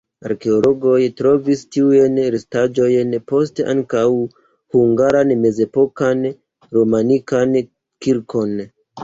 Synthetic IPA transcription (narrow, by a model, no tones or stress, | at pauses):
a̰ɾke̞olo̞ɡo̞jtɾo̞vistiujnɾistad͡ʒo̞jnpo̞steʔa̰ŋkaw | huŋɡaɾanme̞ze̞po̞kan | ɾo̞manikan | kiɾkʰo̞n